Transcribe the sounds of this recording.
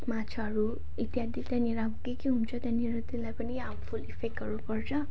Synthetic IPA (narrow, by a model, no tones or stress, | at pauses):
mat͡ʃʰɔaɹu | it̪ijad̪it̪janiʌɾuakukikiɦunt͡sʰɔt̪aniɦʌɾut̪ilajpaniampʰulipʰekːʌɾupɔɹt͡ʃʰɔ